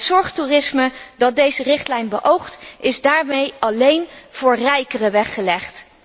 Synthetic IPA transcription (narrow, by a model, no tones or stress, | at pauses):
tsɔɹχturɪsmədɑt̚dejzərɪχtlɛjnbəʔowχtʔɪzdaːɹmejɑlejnv̥ʊːɹrɛjkərəʋɛχːəlɛχt